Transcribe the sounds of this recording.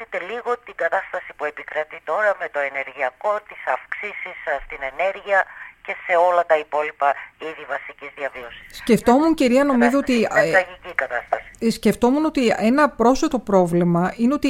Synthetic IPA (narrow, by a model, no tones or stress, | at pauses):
it̪e̞liɣo̞t̪iɡɐt̪ɐst̪ɐsipue̞pikɾɐt̪it̪o̞ɾɐme̞t̪o̞e̞ne̞ɾʝiɐko̞t̪isɐfksisisst̪ine̞ne̞ɾʝiɐce̞se̞o̞lɐt̪ɐipo̞lipɐiðivɐsicizðiɐvio̞si̥ssce̞ft̪o̞munciɾiɐno̞mizoot̪iɐʝicikɐt̪ɐst̪ɐsi̥sce̞ft̪o̞muno̞t̪ie̞nɐpɾo̞sot̪o̞pɾo̞vlimɐineo̞t̪i